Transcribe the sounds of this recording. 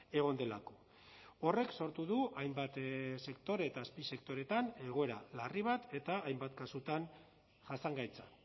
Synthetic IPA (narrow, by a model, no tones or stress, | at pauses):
e̞ɣ̞o̞nd̪e̞lako̞̥ | ore̞kso̞ɾt̪uðuʔajmbat̪se̞kt̪o̞ɾeːt̪aːspise̞kt̪o̞ɾe̞t̪ane̞ɣ̞o̞e̞ɾalariβ̞at̪e̞t̪aːjmbat̪kasut̪an | ʝasaŋɡajt͡sa